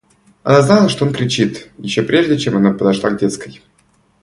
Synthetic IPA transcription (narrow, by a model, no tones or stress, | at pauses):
ɐ̰naznalˠəʂt̪oonkɾʲɪt͡ɕit̪jɪɕːopɾʲe̞ʐdʲɪt͡ɕe̞mɐnapəd̪ɐʂlˠa̰ɡdʲet̪skəj